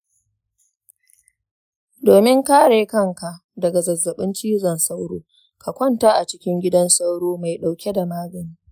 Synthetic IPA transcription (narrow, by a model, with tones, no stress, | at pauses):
doː˨mɪ˦ŋkaː˦ɽeː˨kɐ˦˨ŋka˨ʔ | dɐ˨ɡa˨zɐ˨zːɐ˨ɓɪ˦nt͡ʃiː˦zɐ˨nsa˦wɽoː˦ | ka˨kʷɐ˦ntaː˦ʔa˨t͡ʃɪ˦kʲɪ˦ŋɡʲɪ˦dɐ˦nsa˦wɽoː˦ma˨jɗa˨wkʲe˦da˨maː˦ɡɐ˨niː˦